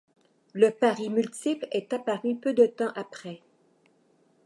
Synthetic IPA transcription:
ləpaʁymylt̪iplɛt̪apaʁypød̪ət̪ɑ̃ʔapχɛ

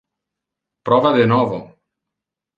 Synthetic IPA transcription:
pɾɔβaðenɔvo

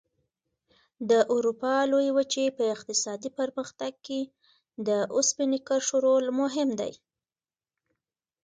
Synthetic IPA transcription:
d̪əʔuɾupɑlojwət͡ʃepəɪqt̪ɪsɑd̪ipəɾməxt̪aɡ̚ke | d̪əʔʊspɪnikəɾʂoɾolmʊɦɪmd̪a̰j

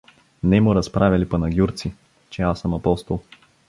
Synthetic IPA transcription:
nɛmʊɾɐspɾavʲɐlipɐnɐɡʲjuɾt̪si | t͡ʃɛasəmɐpɔst̪olˠ

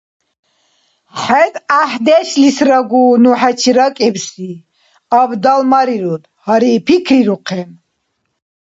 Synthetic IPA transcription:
χɛt̪ʼahd̪ɛʃlisɾaɡuːnuħɛt͡ʃʰiɾakʼɛbsi | abd̪almaɾiɾut̪haɾipʰikʰɾiɾuqʰɛn

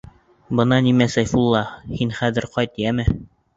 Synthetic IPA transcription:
bɤ̆nɑnimæsæjfulˠːɑhinχæðɘ̆ɾqɑjt̪jæmɘ

